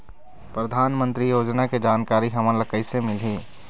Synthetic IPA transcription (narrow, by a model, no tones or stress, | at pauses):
pɾɐd̪ʱaːnmə̃nt̪ɾijoːd͡ʒnaked͡ʒaːnkaːɾiɦɐmãlɐkəisemɪliː